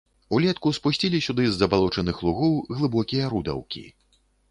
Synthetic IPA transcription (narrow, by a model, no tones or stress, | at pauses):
ulʲɛt̪kuspusʲt͡sʲilʲisʲud̪ɨzːɐbalˠɔt͡ʂɐnɨxlˠuɣɔwɣlˠɨbɔkʲijɐɾud̪ɐ̰wkʲḭ